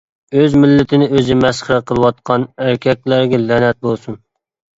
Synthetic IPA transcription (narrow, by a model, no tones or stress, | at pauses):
øzmɪlːɪt̪ʰɪnɪøzɪmɛsχəɾəqʰəlˠɨwɑt̪̚qʰɑnæɾkʲʰɛk̚ʲlæɾɡʲɛlænɛt̪̚bolˠsun